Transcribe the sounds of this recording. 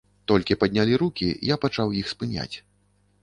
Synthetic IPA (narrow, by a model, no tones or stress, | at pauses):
t̪ɔlʲkʲipɐd̪ʲnʲalʲiɾukʲijapat͡ʂawjixspɨnʲa̰t͡sʲ